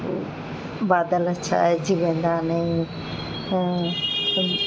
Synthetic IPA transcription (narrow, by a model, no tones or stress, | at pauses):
baːd̪əlɐtːt͡ʃʰa̰ɛd͡ʑiʋẽːnd̪anə̃ĩ